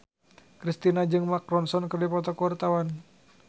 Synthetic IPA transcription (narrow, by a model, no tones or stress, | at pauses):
kɾist̪inad͡ʒɨŋmakɾɔnsɔnkərdipɔt̪ɔkuwart̪awan